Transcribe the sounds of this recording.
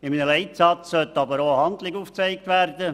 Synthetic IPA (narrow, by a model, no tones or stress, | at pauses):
ɪminəlɛɪt̪sɑt͡ssœt̪ːɑbəɾoəhɑnd̪lɪɡuːft͡sɛɪk̚t̪ʋæːrd̪ə